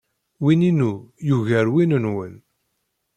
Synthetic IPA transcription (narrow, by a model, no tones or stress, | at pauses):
wininujuʝæɾwinənwən